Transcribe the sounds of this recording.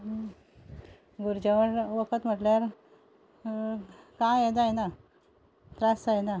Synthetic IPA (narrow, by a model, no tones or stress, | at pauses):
ɡuɾd͡ʑəʋəɳʋəkʰət̪m̤əʈljaɾ | kãjed̪ajna | t̪ɾasajna